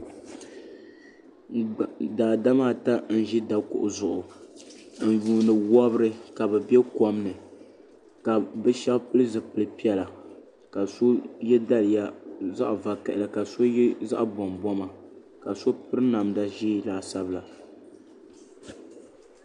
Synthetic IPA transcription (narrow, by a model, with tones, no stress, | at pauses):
daː˨da˦maː˦˨ta˦n̩˦ʒi˦da˨kʊ̰˨ʔʊ˨zʊ˨ʔʊ˨ | n̩˦˨juː˨nɨ˨wɔ˦bɨ˦ɾɨ˦ka˨bɛ˨bɛ˦kɔ˦mnɨ˨ | ka˨bɨ˦ʃɛ˦bpɨ˦lɨ˦zɨ˨pɨ˨lɨ˦pi˦ɛ˦la˨ | ka˨so˦jɛ˦da˦lɨ˨ja˦za̰˦ʔva˨ka˨ʔɪ˨la˨ka˨so˦jza̰˦ʔbɔ˨mbɔ˦ma˨ | ka˨so˦pɨ˦ɾɨ˦na˨mda˨ʒiː˦laː˨sa˦bɨ˦la˨